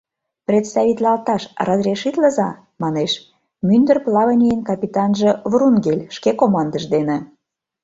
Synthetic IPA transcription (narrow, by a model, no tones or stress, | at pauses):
prʲet̪st̪ɑβʲit̪lɑlt̪ɑʃrəzɾʲeʃit̪lə̆zɑ | mɑneʃ | mynd̪ərplɑβənʲijənkɑpʲit̪ɑnʒĕvɾunɡelʲʃkekomɑnd̪ə̆ʒd̪enĕ